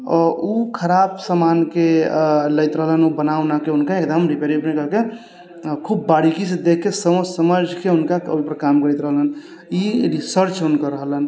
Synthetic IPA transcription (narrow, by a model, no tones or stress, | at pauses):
ɔɾukʰəɾabsamankeləjt̪ɾəɦələnubənawnakeunkaekd̪əmɾipeɾibnekəɾke | kʰubːaɽikised̪ekʰːesəmõsəməd͡ʒʱkeunkao̰ipəɾkamkəɾɛjt̪ɾəɦələn | iɾisəɾt͡ʃunkaɾəɦələn